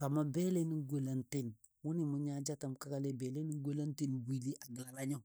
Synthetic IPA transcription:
ka˨ma˨be˦le˦ni˦ɡo˨la˨nte˦˨n | wu˦ni˨mu˦ɲa˦d͡ʒa˦ta˨mka˦ka˦le˦be˨le˦ni˦ɡo˦la˦nti˦nwi˨li˦ʔa˨ɡi˨la˨la˦ɲo˦˨

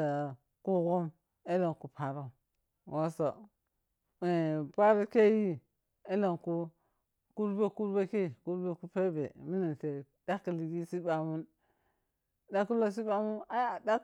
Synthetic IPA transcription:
a˨ | ku˦ɡo˦m | e˦la˨ŋku˨pʰa˨ɾo˦ | wo˦so˨ | e˨pa˦ɾa˦ke˦ji˦ | e˦la˨nku˦ | ku˦ɾbe˦ku˦ɾbe˦ke˦˨ku˦ɾbe˦ku˦pe˦be˨mi˦na˨nte˨ | da˦ki˨li˨ɡi˦si˦ba˨mu˦n | da˦ku˦lo˦s̬i˦ba˦mu˦na˦ja˨da˦

